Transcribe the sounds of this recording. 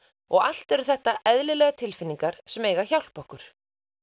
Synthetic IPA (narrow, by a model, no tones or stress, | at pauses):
ɔɣal̥t̪ɛɾʏθɛht̪aʔɛðlɪlɛɣat̪ʰɪlfɪnːiŋkaɾ̥sɛmeːjɣaçawl̥pɔhkʏɾ̥